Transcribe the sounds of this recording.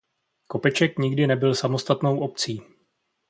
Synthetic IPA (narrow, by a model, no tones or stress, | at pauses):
ko̞pɛt͡ʃɛkɲɪɡdɪnɛbɪlsamo̞st̪at̪no̞wʔo̞p̚t͡siː